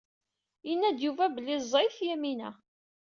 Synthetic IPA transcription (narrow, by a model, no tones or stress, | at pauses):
jənːæd̪juvæbəlːɪzˤːɑjθjæminæ